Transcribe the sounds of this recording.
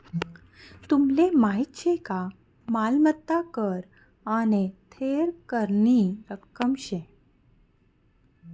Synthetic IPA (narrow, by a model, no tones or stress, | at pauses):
t̪umlemaɦit̪ɕeka | malmət̪ːakəɾ | anet̪ʰeɾkəɾɳiɾəkːəmɕe